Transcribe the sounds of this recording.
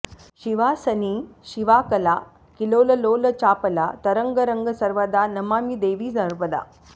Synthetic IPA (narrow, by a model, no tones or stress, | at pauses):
ɕiʋasəniːɕiʋaːkəla | kiloːləloːlət͡ɕaːpəlat̪əɾəŋɡəɾəŋɡəsɐɾʋad̪anɐmaːmid̪eːʋiːd͡zəɾpəd̪a̰